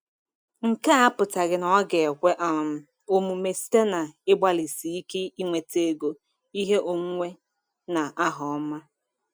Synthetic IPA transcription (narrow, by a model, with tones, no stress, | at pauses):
ŋ̩˨ka˦a˦pʊ˨ta˨ɡɪ˨nɔ˨ɔ˦ɡe˨e˨kʷe˦ʔa˨m̩˦ | o˦mu˨me˨si̥˦te˦na˨ɪ˦ɡ͡ba˦li˨si˨i˦ke˦i˦ŋʷe˨te˨˦˨ɡo˨ | i˦ɦe˦ʔo˨ŋʷ˦e˦ | na˨ʔa˦ɦɔ˨ɔ˦ma˦